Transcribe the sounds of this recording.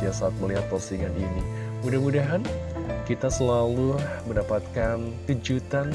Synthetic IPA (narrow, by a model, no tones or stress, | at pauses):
iasaːt̪̚məliɦat̪̚pərsiŋaninimudahmudaɦankit̪asəlaluməndapat̪̚kank̪əd͡ʒut̪an